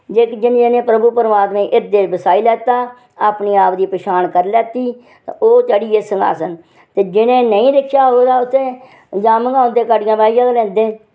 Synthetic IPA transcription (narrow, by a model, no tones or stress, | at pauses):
d͡ʒeːkd͡ʒɪñenẽːpɾəbuːpəɾmaːt̪mẽːʔɪɾd̪eːbəsaːiːlɛːt̪aː | aːpniːaːpd̪iːpəʃaːnkəɾlɛːt̪iː | t̪oːt͡ʃaːɽiːeːsəŋa̰ːsən | t̪eːd͡ʒɪnẽːnəĩːɾɪkʰːjaːɦoːeːɡaːʊt̪ːẽː | d͡ʒaːməɡãːʊ̃nd̪eːkəɖɪjãːbaːijaːɡlɛ̃ːnd̪eː